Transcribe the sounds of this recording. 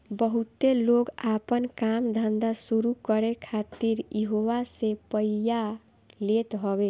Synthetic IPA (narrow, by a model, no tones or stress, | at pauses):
bəɦut̪eloɡapənkamd̪ʱənd̪asuɾukəɾekʰat̪iɾjiɦoʋasepəija | let̪ɦɔbe